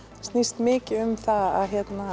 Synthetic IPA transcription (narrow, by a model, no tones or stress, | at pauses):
st̪nist̪mɪːcɪʏmθaða̰ðçjɛt̪na